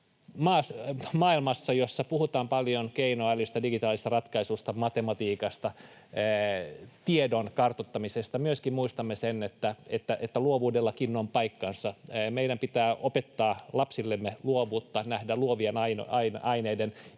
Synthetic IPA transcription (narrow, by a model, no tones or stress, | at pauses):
mɑːsmɑːilmɑsːɑjosːɑpuhut̪ɑːmpɑljonkeinoɑælyst̪ɑdiɡit̪ɑːlist̪ɑrɑt̪kɑisust̪ɑmɑt̪emɑt̪iːkɑst̪ɑː | t̪iedonkɑrt̪ot̪ːɑmisest̪ɑmyøskimmuist̪ɑmːesenet̪ːæet̪ːæʔet̪ːæluoʋuːdelːɑkinːompɑikːɑnsɑmeidæmpit̪æːʔopet̪ːɑːlɑpsilːemːeluoʋuːt̪ːɑnæhdæluoʋienɑinɑinɑineiden